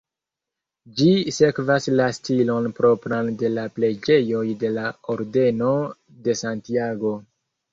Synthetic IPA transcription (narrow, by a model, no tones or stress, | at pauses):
d͡ʒise̞kvaslastilo̞npɾo̞pɾande̞laple̞d͡ʒe̞jo̞jde̞laoɾde̞no | de̞santiaɡo̞